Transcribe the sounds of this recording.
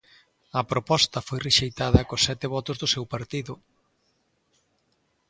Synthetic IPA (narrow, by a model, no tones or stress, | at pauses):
ɐpɾopɔst̪ɐfojreʃejt̪aðɐkosːɛt̪ɪβɔt̪ʊzðʊsewpaɾt̪iðʊ